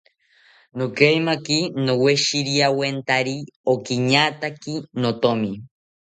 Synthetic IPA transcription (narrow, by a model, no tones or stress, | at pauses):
nokajmakinoweʃiɾiawent̪aɾiokiɲat̪akinot̪omi